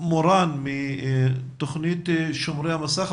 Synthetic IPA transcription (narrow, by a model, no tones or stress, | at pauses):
moɾanmi | t̪oχnit̪ʃomɾejhamasaχ